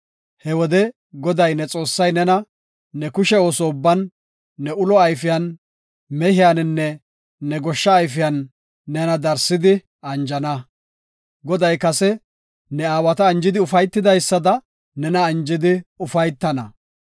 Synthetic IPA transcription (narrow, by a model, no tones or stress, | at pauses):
hɛwɔd̪ɛ | ɡɔd̪ɐjnɛt͡sʼo̞ːsːɐjnɛnɐː | ɛkʊʃɛoːsɔʊbːɐnː | ɛʊlɔɐjfɪjɐn | mɛhɪjanɪnːɛː | ɛɡɔʃːɐːjfɪjɐnː | ɛnɐd̪ɐɾsːɪd̪ɪ | ɐnd͡ʒɐnɐ | ɡɔd̪ɐjkɐsɛ | nɛaːwɐt̪ɐːnd͡ʒɪd̪ɪʊfɐjt̪ːɪd̪ɐjsːɐd̪ɐ | nɛnɐːnd͡ʒɪd̪ɪʊfɐjt̪ːɐnɐ̰